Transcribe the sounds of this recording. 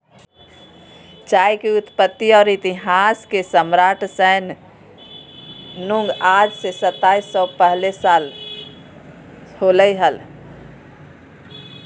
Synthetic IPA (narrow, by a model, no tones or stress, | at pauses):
t͡ʃajkeut̪pət̪ːiɔːɾit̪iɦaskesəmɾaʈʰsəːn | nuŋɡad͡ʒsesət̪ːaisːɔpəɦlesal | holəɦəl